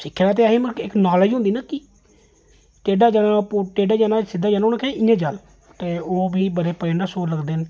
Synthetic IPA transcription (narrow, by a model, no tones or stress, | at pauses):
sɪkʰːlaːt̪̬eːɦẽːməɪknaːləd͡ʒɦʊ̃nd̪iːnaːkɪ | ʈeːɖaːd͡ʒaːnaːpoʈeːɖaːd͡ʒaːnaːsɪd̪aːd͡ʒaːnoːnãːkɛ̃ɪjãːd͡ʒal | t̪eːoːbiːbəɾeːpəẽːɳɖaːsoːləɡd̪eːn